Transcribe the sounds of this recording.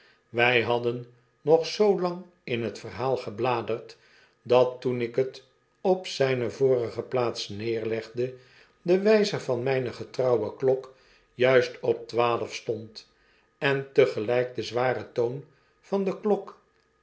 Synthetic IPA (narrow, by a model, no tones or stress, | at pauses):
ʋɛjɦɑdənː | ɔχsowlɑŋ | ɪnɦətfərɦaːlˠχəblaːdərt | dɑtunɪkət | ɔpsɛjnəvʊːɾəχəplaːtsnɪːɹlɛχdə | dəʋɛjzəvɑnmɛjnəχətrɑwəklɔk | jœɥstɔp̚tʋaːləfstɔnt | ɛntəχəlɛjk̚dəzʋaːrətown | vɑnd̪əklɔk